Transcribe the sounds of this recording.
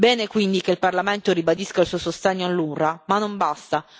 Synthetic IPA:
bɛːnekwind̪ik̟eilparlament̪oɾibad̪iskailsuosost̪ɛɲːoalːurramanːombast̪a

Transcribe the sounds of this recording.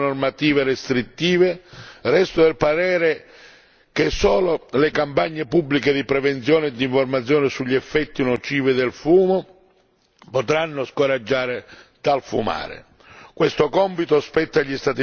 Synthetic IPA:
normat̪iːverest̪ɾit̪ːiːverɛst̪ʊd̪elpaɾɛːɾɪ | k̟esːɔːlolekampaɲːepubːliked̪ipɾɛvent̪sjɔːnɪd̪iɱformat̪sːjɔːnɪsuʎːɛfːɛt̪ːinɔt͡ʃiːvɪd̪elfuːmo | pot̪ɾanːʊskoɾad͡ʒːaːɾɪt̪alfṵma̰ːɾɪ̰ | kwest̪okɔmpit̪oaspɛt̪ːaʎist̪at̪i

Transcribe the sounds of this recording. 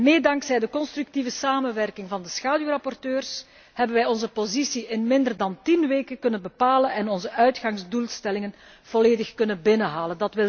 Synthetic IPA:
meːdɑŋksɛjdəkɔnst̪ryk̚tivəsaːmənʋɛrkɪŋvɑndəsxaːdyrɑpɔrtøːrs | hɛbənʋɛjɔnzəpozisiʔɪnmɪndərdɑntinʋeːkəkɵnənbəpaːlənɛnɔnzəʔœɥtxɑŋzdulˠstɛlɪŋən | v̥ɔleːdəxkɵnənbɪnəɦaːləndɑtʋɪl

